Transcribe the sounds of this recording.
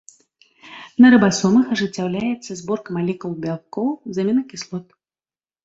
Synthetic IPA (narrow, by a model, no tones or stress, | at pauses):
nɐɾɐbasɔmɐxɐʐɨt͡sʲːawlʲajɛt̪sːɐzbɔrkɐmalʲɛkulˠbʲalˠkɔwzamʲinɐkʲislˠɔt̪̚